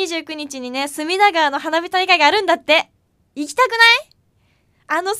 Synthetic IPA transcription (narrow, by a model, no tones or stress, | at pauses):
iʑɨːkɯ̟ɲ̟it͡ɕiɲ̟ine̞sɨmʲinaɡaːno̞ɦanabʲit̪aikaiɡaːɾɯ̟̃nd̪at̪ːe̞ | ikʲi̥t̪akɯ̟nai | ano̞